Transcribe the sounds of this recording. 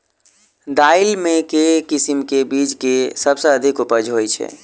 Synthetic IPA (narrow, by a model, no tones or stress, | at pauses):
d̪ailmekekisimkebid͡ʒkesəbsə̃əd̪ʱikupəd͡ʒɦojt͡ʃʰɛ̰